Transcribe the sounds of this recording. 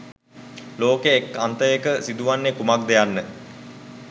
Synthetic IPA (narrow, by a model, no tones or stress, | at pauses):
loːkeːkːant̪əjekəsid̪uʋanːekumakd̪ejanːə